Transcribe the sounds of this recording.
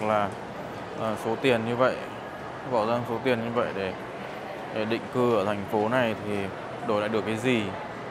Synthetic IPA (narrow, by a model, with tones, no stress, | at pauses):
laː˨˩ | ʔəː˨˩so˨˦t̪i˨˩ənɲɨ˧və̰˧˨jʔ | ɓa̰ː˧˩wzaː˧ŋso˨˦t̪i˨˩ənɲɨ˧və̰˧˨jɗe˧˩ | ɗe˧˩ɗḭ̈˧˨ŋ̟kɨ˧ʔəː˧˩t̪ʰɛ˨˩jŋ̟fo˨˦na˨˩jt̪ʰi˨˩ | ɗo˨˧˩la̰ː˧˨jɗək̚ːaː˨˦jzi˨˩